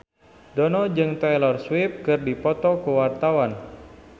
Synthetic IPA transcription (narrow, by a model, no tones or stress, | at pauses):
dɔnɔd͡ʒɨŋt̪ajlɔrswip̚kɨrdipɔt̪ɔkəwart̪awan